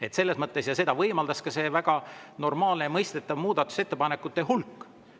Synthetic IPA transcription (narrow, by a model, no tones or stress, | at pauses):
e̞t̪se̞lːe̞smɤt̪ːˑe̞sjɑse̞d̪̥ɑvɤjmɑld̪ɑskɑse̞ːvæɡ̥ɑno̞rmɑːlnejɑmɤjst̪e̞t̪ːˑɑvmuːd̪ɑt̪ːˑu̥se̞t̪ːepɑne̞kːˑut̪ːˑeɦulkː